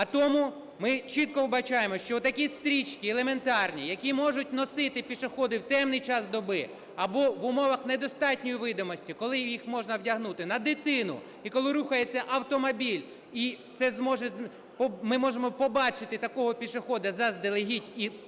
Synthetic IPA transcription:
ɐt̪ɔmʊ | mɪt͡ʃit̪̚kɔwbɐt͡ʃɑjemɔʃt͡ʃɔt̪ːɐkʲist̪ɾʲit͡ʃkʲielˠeme̞nt̪ɑrnʲijɐkʲimɔʒʊt̚ʲnɔsɪt̪ɪpʲiʃɪxɔd̪ɪwt̪ɛmnɪjt͡ʃɑsd̪ɔbɪ | ɐbɔʋʊmɔʋɐxned̪ɔst̪ɑtʲnʲɔjiʋɪd̪ɔmɔsʲtʲikɔlˠɪjixmɔʒnɐwdʲɐɦnut̪ɪnɐd̪ɪt̪ɪnʊ̰ | ikɔlˠɪɾuxɐjet͡sʲːɐʔɐwt̪ɔmɔbʲilʲ | it̪sɛzmɔʒɛz | pmɪmɔʒemɔpɔbɑt͡ʃɪt̪ɪt̪ɐkɔɦɔpʲiʃɪxɔd̪ɐzɐzd̪elˠeɦʲitʲi

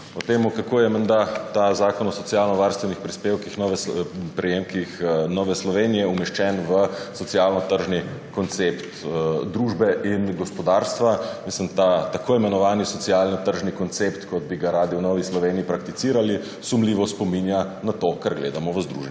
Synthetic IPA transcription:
ɔt̪eːmukakoːjɛmɛnd̪at̪azaːkɔnɔsɔsjaːlnɔʋaɾst̪ʋɛnixpɾispeːwkixnɔʋɛpɾɛjemkixnɔːʋɛslɔʋeːnijɛumɛʃt͡ʃɛnʋəsɔt̪sijalnɔt̪əɾʒnikɔnt̪sept̪d̪ɾuːʒbɛʔinɡɔspɔd̪aːɾst̪ʋamislimt̪at̪akʰoimɛnɔʋaːnisɔt̪sijaːlnɔt̪əɾʒnikɔnt̪sept̪kɔd̪̚biɡaɾaːd̪iunɔʋislɔʋeːniːpɾakt̪it̪siːɾali | sumliːʋɔspɔminjanat̪okaɾɡleːd̪amɔʋəzd̪ɾṵʒɛn

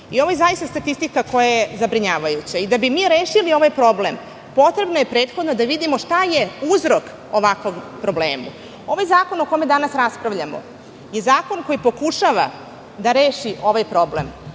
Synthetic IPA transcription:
io̞ʋojezajist̪ast̪at̪ist̪ikako̞jajezabɾiɲaːʋajut͡ɕaid̪abimiːɾe̞ːʃilio̞ʋajpɾo̞blem | po̞t̪ɾe̞bnoje̞pɾe̞ːt̪xod̪no̞d̪aʋid̪imo̞ʂt̪aje̞uzɾo̞k | oʋakʋoɡpɾo̞blḛːmṵ | o̞ʋajzaːko̞noko̞me̞d̪anasɾaspɾaʋʎamo̞̰ | je̞zaːko̞nko̞jipo̞kuʃaʋa̰ | d̪aɾe̞ːʃiʔo̞ʋajpɾo̞blḛm

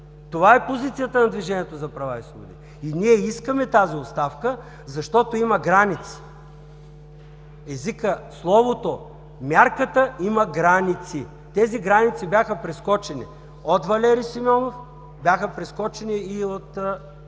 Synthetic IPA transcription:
t̪ovaɛpozit̪sijət̪ənɐd̪viʒɛniɛt̪ozɐpɾɐvaisod̪ḭ | iniɛiskəmɛt̪aziot̪st̪afkə | zɐʃt̪ɔt̪oimɐɡɾanit̪si̥ | ɛzikəslˠɔvot̪o | mʲjaɾkət̪əimɐɡɾanit̪si | t̪ɛziɡɾanit̪sibʲjaxəpɾɛskɔt͡ʃɛnḭ | ot̪vɐlɛɾisimʲɔnof | bjaxəpɾɛskɔt͡ʃɛniːot̪

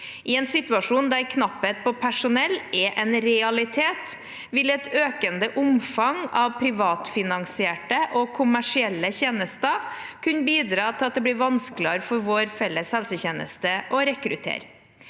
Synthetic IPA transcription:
ʔɪɛːnsɪt̪ʉɑʂuːnd̪æɾkʰnɑpːət̪̚pʰɔpʰæʂʊnɛlːɛʔɛnɾɛɑlɪt̪ʰeːt̪ | ʋɪlɛt̪ʰøːkənd̪əʔʊmfɑŋɑʋpʰɾɪʋɑːt̪fɪnɑŋsɪeːʈəʔɔkʰʊmæʂɪɛlːəçeːnəst̪ɑ | kʰʉnbiːd̪ɾɑːt̪ʰɪlɑt̪̚d̪ɛb̪ɪːɾʋɑnsklɪɑɾfɔɾʋoːɾfɛlːəshɛlsəçeːnə̰st̪əʔɔɾɛkɾʉt̪ʰḛːɾ

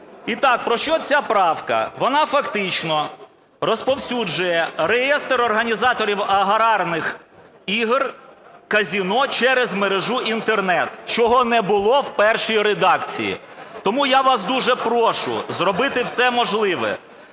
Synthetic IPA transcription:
it̪ɑk̚pɾɔʃt͡ʃɔt͡sʲapɾɑwkɐ̰ʋɔnɑfɐkt̪ɪt͡ʃnɔ | ɾɔspɔwsʲud͡ʒʊjɛɾejɛst̪ɾɔrɦɐnʲizɑt̪ɔɾʲiwɐɦɐɾɑrnɪx | iɦrkɐzʲinɔt͡ʃɛɾezmeɾeʒuʔint̪ernɛt̪t͡ʃɔɦɔnɛbʊlˠɔwpɛrʃijiɾed̪ɑkt͡sʲḭjḭ | t̪ɔmujaʋɑsd̪uʒɛpɾɔʃʊ̰zrɔbɪt̪ɪwsɛmɔʒlˠɪʋɛ̰

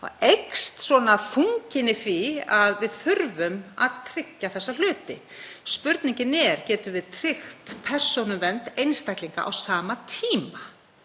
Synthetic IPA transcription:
ɔ̰ɣejkst̪svɔnafuɲcɪnɪθiaðvɪðθʏɾvʏmaðt̪ʰɾɪcːaθɛsːal̥ʏːt̪ɪ̰ | spʏɾt̪niɲcɪnɛɾ̥cɛːt̪ʏvɪðt̪ʰɾɪxt̪pʰɛr̥sɔnʏmvɛnt̪ejnst̪ajkliŋka̰ʔa̰wsaːmat̪ʰiːma

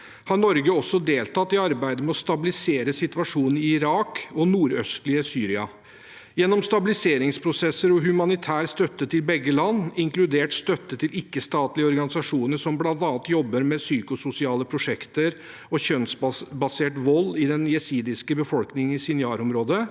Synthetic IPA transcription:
hɑɳɔɾɡəɔsːɔd̪eːlt̪ɑt̪ːɪɑɾbæɪd̪əmɛɔst̪ɑbɪlɪseːɾəsɪt̪ʋɑʂuːn̩ɪɪɪɾɑːkɔnuːɾœ̰st̪lɪəsyːɾɪɑ̰ | jɛnːɔmst̪ɑbɪlɪseːɾɪŋspʰɾʊsɛsːəɾɔɦʉmɑnɪt̪ʰæːɾst̪œt̪ːət̪ʰɪlbɛɡːəlɑnːɪŋklʉd̪eːʈst̪œt̪ːət̪ʰɪlɪkːəst̪ɑːt̪lɪəɔɾɡɑnɪsɑʂuːnəʂɔmblɑnt̪ɑːnt̪jɔbːəɾmɛsyːkʊsʊsɪɑːləpʰɾʊʂɛkt̪əɾ | ɔçœnsbɑseːʈʋɔlːɪd̪ɛnjɛsiːd̪ɪskəbəfɔlknɪŋn̩ɪsɪnɪɑːɾɔmɾoːd̪ə

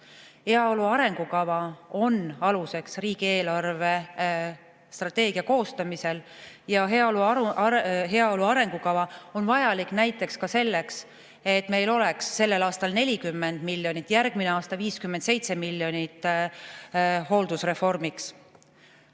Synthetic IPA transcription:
he̞ɑo̞luɑɾe̞ŋɡ̥ukɑvɑo̞nɑluse̞ksriːɡ̥ie̞ːlɑrve̞ | st̪rɑt̪ːe̞ːɡ̥iɑko̞ːst̪ɑmise̞ljɑɦe | ɦe̞ɑo̞luɑɾe̞ŋɡ̥ukɑvɑo̞nvɑjɑlikˑnæjt̪ːˑe̞kskɑse̞lːe̞ks | e̞t̪ːˑme̞jlo̞le̞ksːe̞lːe̞lɑːst̪ɑlne̞lʲikymːe̞nd̪̥milːjo̞nʲit̪ːˑjærɡ̥mineɑːst̪ɑviːskymːend̪se̞jt̪se̞milːjo̞nit̪ːˑ | ɦo̞ld̪̥usre̞fo̞rmiks

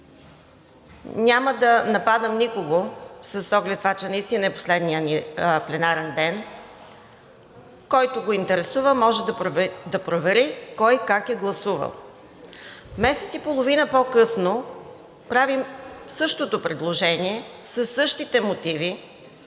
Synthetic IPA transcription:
nʲaməd̪ɐnɐpad̪əmnikoɡosɐsɔɡlɛt̪ːvat͡ʃɛnɐist̪inəɛpo̥slɛd̪nijəniplɛnaɾɛnd̪ɛn | kɔjt̪oɡoint̪ɛɾɛsuvəmɔʒɛd̪ɐd̪ɐpɾovɛɾikɔjkakɛɡlˠɐsuvə̰lˠ | mɛsɛt̪sipolˠovinəpɔkɤsno | pɾavimsɤʃt̪ot̪opɾɛd̪lˠoʒɛnʲiɛsəsːɤʃt̪it̪ɛmot̪ivi

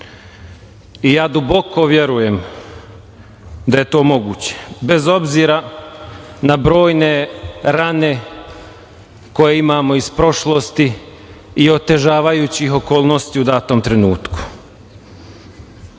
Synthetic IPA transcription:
ijaːd̪ubo̞kʰo̞ʋje̞ɾuje̞m | d̪aje̞t̪o̞ːmo̞ɡuːt͡ɕe̥be̞zo̞bziːɾa | nabɾo̞ːjne̞ɾane̞ | ko̞je̞imaːmo̞ispɾo̞ʃlo̞st̪iː | o̞t̪e̞ʒaːʋajuːt͡ɕiɦo̞ko̞ːlˠnost̪iud̪aːt̪o̞ːmt̪ɾenuːt̪ku̥

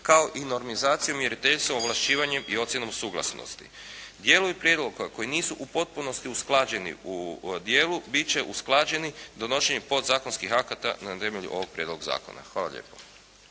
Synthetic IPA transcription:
kaoʔino̞ɾmizaːt̪sijomje̞ɾit̪eʎt̪somoʋlˠaʃt͡ɕiːʋaɲe̞mio̞t̪sʲje̞no̞msuːɡlˠa̰sno̰st̪i̥̰ | d̪jeːloipɾjeːd̪lˠo̞ɡko̞jiniːsuʔupo̞t̪̚puno̞st̪iusklˠad͡ʑe̞nḭud̪jeːlubit͡ɕe̞ʔusklˠaːd͡ʑe̞nid̪o̞no̞ʃeɲepo̞d̪zaːkonskixakat̪a̰nat̪e̞meʎṵʔo̞̰ʋo̞ɡ̚pɾje̞d̪lo̞ɡza̰ːko̰na̰xʋaːlˠa̰ʎḛːpo

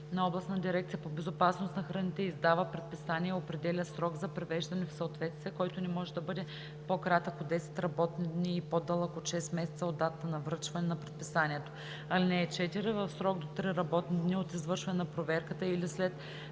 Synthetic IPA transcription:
nɐɔblˠɐst̪nd̪iɾɛk̚t̪siəpobɛzopasnosnɐxɾɐnit̪ɛizd̪avəpɾɛt̪̚pisaniɛopɾɛd̪ɛlʲəsɾɔɡzɐpɾɛvɛʒd̪ɐnɛfsəot̪vɛt̪st̪vijɛkɔjt̪onɛmɔʒɛd̪ɐbɤd̪ɛ | pokɾat̪əkod̪ɛsɛ̥t̪ɾɐbɔt̪nd̪niːpod̪əlˠəkot̪ʃɛsmɛsɛt̪səod̪ːat̪ət̪ənɐvɾət͡ʃvɐnɛnɐpɾɛt̪pisaniɛt̪o̥ | ɐlinɛːt͡ʃɛt̪iɾɛvəfsɾɔɡd̪ot̪ɾiɾɐbɔt̪nid̪niot̪izvɤɾʃvɐnɛnɐpɾovɛɾkət̪əilislɛt̪

